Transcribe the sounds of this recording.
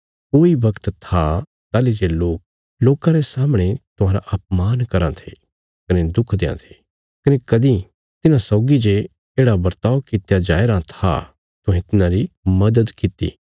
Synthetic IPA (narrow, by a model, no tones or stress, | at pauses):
koːibɐkt̪t̪ʰa | t̪aːled͡ʒeloːk̚ | loːkãɾesaːmɽ̃et̪ʊɦãːɾa̰ʔɐp̚maːnkɐɾãt̪ʰe | kɐned̪ʊkʰd̪eːã̰t̪ʰe̥ | kɐnekɐd̪ĩ | t̪ɪnãsɔːɡid͡ʒe | eːɽabɐɾt̪aːokɪt̪ejad͡ʒa̰ːeɾãt̪ʰa̰ | t̪ʊɦẽt̪ɪnãɾimɐd̪əd̪kɪt̪ḭː